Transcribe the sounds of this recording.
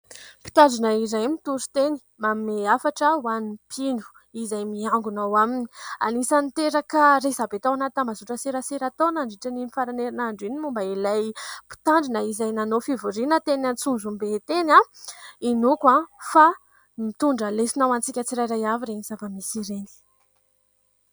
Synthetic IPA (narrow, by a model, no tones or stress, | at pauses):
pi̥t̪aɳɖ͡ʐunaizajmit̪uɾu̥t̪eni̥mameafaʈ͡ʂəwanipʰinu̥ | izajmiaŋɡunawamini̥a̰nisant̪eɾakaɾezabet̪awanat̪amazuʈ͡ʂəseɾəseɾat̪onaɳɖ͡ʐiʈ͡ʂanimifaɾaneɾinaɳɖ͡ʐinimumbailajpi̥t̪aɳɖ͡ʐinəizajnanofivuɾinət̪enant͡sunzumbet̪enainukwafa | mit̪uɳɖ͡ʐəlesinawant͡sikʲat͡siɾajɾajaviɾeniz̥avamisiɾeni̥